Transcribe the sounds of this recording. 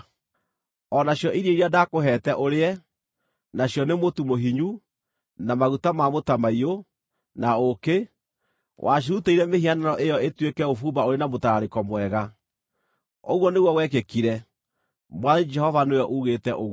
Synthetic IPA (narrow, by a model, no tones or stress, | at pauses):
ɔnaɕjɔʔiɾeiɾiadakoɦɛːtɛʔoɾeɛ | naɕjɔnemotumoɦiɲu | namaɣutamamotamaio | naoke | wʔaɕ̬iuteiɾɛmehianaɾɔʔejɔetwekɛofuːbaoɾenamotaɾaɾekɔmwɛɣa | oɣwɔneɣwɔwɛkekiɾɛ | mwaðed͡ʒɛhɔvanojɔʔuɣetɛʔoɣ